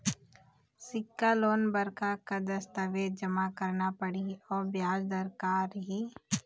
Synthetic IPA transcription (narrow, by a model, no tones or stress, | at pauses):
sɪkːaloːnbəɾkakad̪ɐst̪əʋeːd̪̚d͡ʒəmakəɾnapəɽiɔːɾbjaːd͡ʒd̪əɾkaːɾɦiː